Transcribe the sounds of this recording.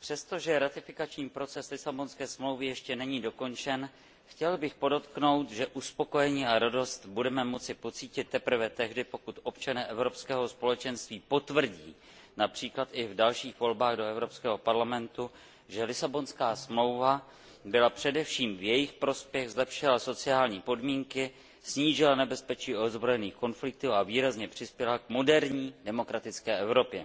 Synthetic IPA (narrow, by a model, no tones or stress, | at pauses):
pr̥ɛst̪o̞ʒɛɾat̪ɪfɪkat͡ʃɲiːpɾo̞t͡sɛslɪsabo̞nskɛːsmlowvɪjɛʃcɛnɛɲiːdo̞ko̞nt͡ʃɛn | xcɛlbɪxpo̞do̞t̪kno̞wt̪ʒɛʔuspo̞ko̞jɛɲiːʔaɾado̞st̪budɛmɛmo̞t͡sɪpo̞t͡siːcɪt̪ːɛpr̩vɛt̪ɛɦdɪpo̞kut̪ʔo̞pt͡ʃanɛːʔɛvɾo̞pskɛːɦo̞spo̞lɛt͡ʃɛnst̪viːpo̞t̪vr̩ɟḭː | napr̝̥iːklat̪ɪvdalʃiːxvo̞lbaːɣdo̞ɛvɾo̞pskɛːɦo̞paɾlamɛnt̪u | ʒɛlɪsabo̞nskaːsmlo̞wva | bɪlapr̝̥ɛdɛfʃiːmvjɛjɪxpɾo̞spjɛɣzlɛpʃɪlaso̞t͡sɪaːlɲiːpo̞dmiːŋkɪ | sɲiːʒɪlanɛbɛspɛt͡ʃiːʔodzbɾo̞jɛniːxko̞nflɪk̚t̪uːaviːɾazɲɛpr̝̥ɪspjɛlakmo̞dɛɾɲiːdɛmo̞kɾat̪ɪt͡skɛːʔɛvɾo̞pjɛ